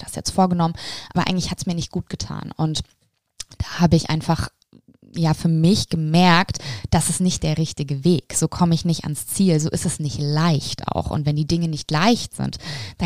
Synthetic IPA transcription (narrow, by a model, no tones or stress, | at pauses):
d̥asjɛ̰t͡stfoːɐɡənɔmənʔaːbɐʔaɪɡŋ̩lɪçhatsmiːɐnɪçt̚ɡ̥uːt̚ɡ̥ətʰa̰ːnʊ̰nt | d̥aːhaːbəɪçʔa̰ɪnfaχ | jaːfyːɐmɪçɡ̥əmɛɐktd̥asɪstnɪçt̚d̥eːɐʁɪçtɪɡəveːkz̥oːkʰɔməɪçnɪçta̰nst͡siːlzoːʔɪstɛsnɪçtlaɪçtʔa̰ʊxʔʊ̰ntvɛndiːdɪŋənɪçtlaɪçtz̥ɪ̰ntd̥a